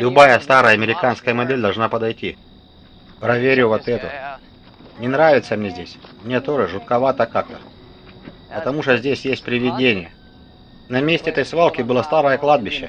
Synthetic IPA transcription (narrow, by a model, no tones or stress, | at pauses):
lʲʊbajəst̪aɾəjɐmʲɪɾʲɪkanskəjəmɐd̪ʲelʲd̪ɐlˠʐnapəd̪ɐjtʲi | pɾɐvʲeɾʲʊvot̪ɛt̪ʊ | nʲɪnɾavʲɪt̪səmnʲezʲdʲesʲmnʲet̪o̞ʐɨʐʊt̪̚kɐvat̪əkak̚t̪ə | pət̪ɐmuʂt̪ozʲdʲesʲjesʲt̚ʲpɾʲɪvʲɪdʲenʲɪjə | nɐmʲesʲtʲɪɛt̪əjsvalˠkʲɪbɨlˠəst̪aɾəjəklˠad̪̚bʲɪɕːə